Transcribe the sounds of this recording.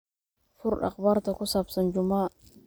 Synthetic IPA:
fuɾɗa̰qbaɾtakusapsand͡ʒuma

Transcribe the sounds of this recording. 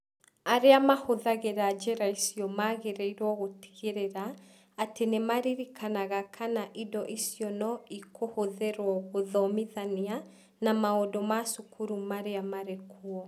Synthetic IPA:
aɾeamahoðaɣeɾad͡ʒɛɾaisiɔmaɣeɾɛiɾwɔɣoti̥ɣeɾeɾaː | tenemaɾiɾikʰanaɣakʰanaʔidɔʔisiɔnɔikʰohoðeɾwɔɣoðɔmiðania | namaodɔmasukʰuɾumaɾeamaɾekʰuɔ

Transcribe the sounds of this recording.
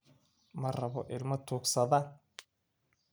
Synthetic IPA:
mɐrɐβɔʔɪlmɐt̪ʰuːksɐðaːn

